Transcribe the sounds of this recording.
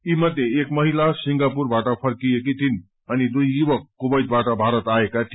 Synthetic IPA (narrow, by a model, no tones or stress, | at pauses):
imʌd̪ːjeekmʌɦilasiŋɡapurbaʈʌpʰʌrkijek̬it̪in | ʌnid̪ujːubʌkːubʌjt̪̚baʈʌbʱaɾʌt̪aekaʈʰ